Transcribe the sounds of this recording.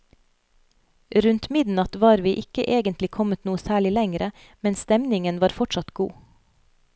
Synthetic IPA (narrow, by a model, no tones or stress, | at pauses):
ɾʉnt̪mɪd̪n̩ɑt̪ʋɑːɾʋiːʔɪkə̰ʔeːɡənt̪lɪkʰɔmət̪nuːəsæːɭɪlɛŋɾə | mɛnst̪ɛmnɪŋənʋɑːɾfɔʈʃɑt̪ɡṵː